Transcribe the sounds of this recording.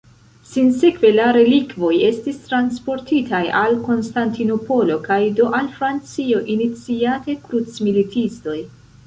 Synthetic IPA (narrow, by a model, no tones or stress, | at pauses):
sinsekve̞laɾe̞likvo̞je̞stistɾanspo̞ɾtitʰajalko̞nstantino̞po̞lo̞kajdo̞ʔalfɾant͡sio̞ʔinit͡siate̞kɾut͡smilitʰisto̞j